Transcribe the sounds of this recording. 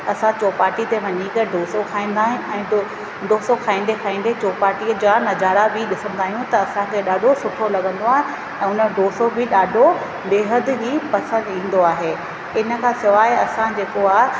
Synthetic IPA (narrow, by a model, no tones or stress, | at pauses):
ɐsãt͡ɕoːpaːɾʈit̪eʋɐɲikəɖoːsokʰaːĩːn̆d̪aːɦɪɛ̃ː | ɖʱoːsokʰaːĩːnd̪ekʰaːĩːn̆d̪et͡ɕoːpaːɾʈiəd͡ʑaːnɐzaːɾabʱiɗɪsə̃nd̪ʱaːɦijũt̪ɐɐsãkʰeɗaːɖʱosʊʈʰolɐɡʱə̃nd̪oaːɦẽ | ɛ̃ːʊnə̆ɖoːsobʱɪɗaːɖʱo | ɗeːɦəd̪d͡ʑiːpɐsə̃nd̪ĩːn̆d̪oaːɦeː | ɪnə̆kʰãːsɪʋaːeɐsãd͡ʑeːkoaːɦ